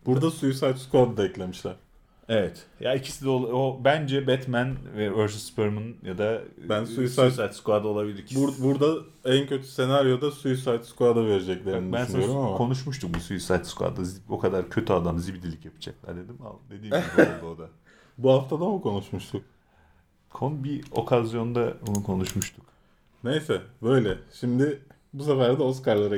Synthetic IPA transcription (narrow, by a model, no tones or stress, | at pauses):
b̥uɾd̪asujusajt̪skad̪ad̪aɛclʲe̞miʃlʲæɾ̥ | evɛt̪jaicʰi̥sid̪ɛolˠobænd͡ʒɛbɛt̪mænvɛøɾzspɯɾmɯnjad̪abænsujusaj̪sajt̪skvad̪o̞lˠabilʲiɾcʰbuɾd̪a | æncʰø̞t̪ʰy̥se̞naɾjo̞d̪asujusajt̪skvad̪ave̞ɾed͡ʒɛclʲeɾnbænsaoɾuakʰo̞nuʃ̬muʃt̪ʰuk̚busujusajt̪ska̰d̪azo̞kʰad̪aɾcʰø̞t̪ʰyad̪amzibd̪ilʲicjapʰɯ̥d͡ʒaklʲæ̰ɾd̪e̞d̪ima̰d̪e̞d̪iːmiɾabioɾd̪a | buhaft̪ʰad̪amukʰo̞nuʃmuʃt̪ʰuk̚ | kʰonbio̞̰kʰazijo̞nd̪abunukʰo̞nuʃmuʃt̪ʰu̥k | ne̞jsɛbø̞jlʲɛʃimd̪ɪ | bus̬afæɾd̪ɛos̬kaɾlˠaɾa